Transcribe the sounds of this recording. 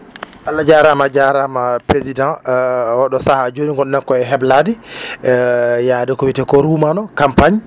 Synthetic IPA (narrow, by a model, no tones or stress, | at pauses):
ʔalːad͡ʒaɾamad͡ʒaɾamapɾezidãwɔɗɔsahad͡ʒoniŋɡɔnɛnkɔɛɦɛbladi | jadɛkɔwitɛkɔɾumanɔkampaɲ